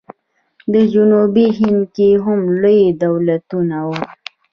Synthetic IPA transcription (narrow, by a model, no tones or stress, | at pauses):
d̪əd͡ʒunubiɦɪnd̪̚keɦʊmlojid̪awlat̪unawo